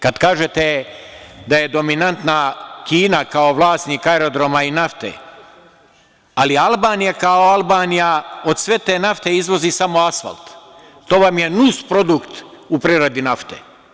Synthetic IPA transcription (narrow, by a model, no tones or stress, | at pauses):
kad̪kaːʒet̪e | d̪ajed̪o̞minant̪nakiːnakao̞ʋlˠaːst̪niːkaeɾo̞d̪ɾo̞mainaft̪ḛ | alialˠbaːnijakaoalbaːnijao̞d̪sʋe̞t̪eːnaft̪eizʋo̞zisamo̞asfa̰lt̪ | t̪ːo̞ːʋamjenuspɾo̞d̪ukt̪upɾiɾod̪inaft̪ḛ